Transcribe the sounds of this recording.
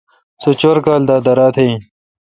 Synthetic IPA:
sut͡ɕoɾkaːld̪aːd̪ɐɾaːt̪ʰe

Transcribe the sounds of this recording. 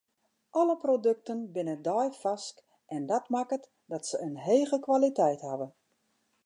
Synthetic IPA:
ʔɔləprodøk̚tənbɪnədɔjfɑsk | ʔɛndɔtmakət | dɔtsəənɦeːɣəkʋalitɛjthɦaʋə

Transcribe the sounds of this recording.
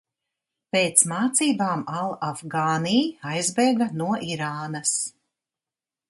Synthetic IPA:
peːt̪smaːt̪siːbaːmalˠafɡaːnijajzbɛjɡanuɔʔiɾaːnɐs

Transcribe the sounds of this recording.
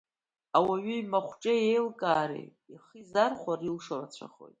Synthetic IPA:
awaɥiɥmaχʷʈ͡ʂʼajejlkʼaːɾḭ | iχizarχʷarilʂorat͡ɕʷʰa̰χo̞̰jtʼ

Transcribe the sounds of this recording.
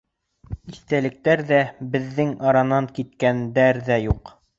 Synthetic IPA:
iθt̪ælɘ̆k̚t̪æɾðæbɘ̆ðːɘŋɑɾɑnɑŋkit̪̚kænd̪æɾðæjuq

